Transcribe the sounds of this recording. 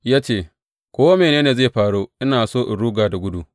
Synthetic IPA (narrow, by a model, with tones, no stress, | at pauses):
jaː˦t͡ʃeː˦˨ | kʷoː˦wa˦meː˨neː˦neː˨zeː˦˨ɸaː˨ɽoː˦ʔɪ˦naː˨soː˦˨ʔɪ˨ɽuː˦ɡaː˨da˨ɡʷʊ˦du˨